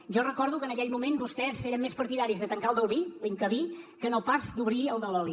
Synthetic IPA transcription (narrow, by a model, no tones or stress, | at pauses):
ʒɔrəkɔɾðukənəkɛʎmumenbust̪ɛzeɾəmːespəɾt̪iðaɾizðət̪əŋkaəlˠd̪əlˠβiliŋkəβikənopazd̪uβɾiəlˠd̪əlɔli